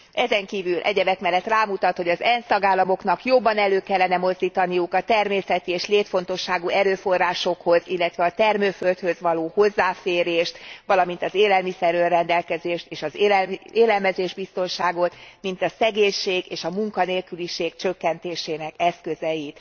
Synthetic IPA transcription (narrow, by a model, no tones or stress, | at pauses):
ɛzɛŋkiːvylʔɛ̰ɟɛvɛt̪mɛlːɛt̪raːmut̪ɒt̪ho̞ɟɒzɛnst̪ɒɡaːlːɒmo̞kn̪ɒkjo̞bːɒnɛløːkɛlːɛnɛmo̞zd̪iːt̪ɒnijukɒt̪ɛrmeːsɛt̪ieːʃleːt̪fo̞n̪t̪o̞ʃːaːɡuɛɾøːfo̞rːaːʃo̞kho̞zilːɛt̪ʋɛɒt̪ɛrmøːfø̞lt̪høzʋɒloːho̞zːaːfeːɾeːʃt̪ʋɒlɒmint̪ɒzeːlɛlmisɛrørɛnd̪ɛlkɛzeːʃt̪eːʃɒzeːlɛlmɛzeːʒbist̪o̞nʃaːɡo̞t̪mint̪ɒsɛɡeːɲʃeːɡeːʃɒmuŋkɒneːlkyliʃeːkt͡ʃøkːɛnt̪eːʃeːnɛkɛskøzɛjit̪